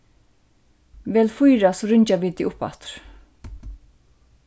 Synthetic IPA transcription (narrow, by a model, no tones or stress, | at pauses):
ʋɛːlfujɾasɔɾʏɲt͡ʃaʋiːt̪iːʔʊpa̰t̪ɾ̥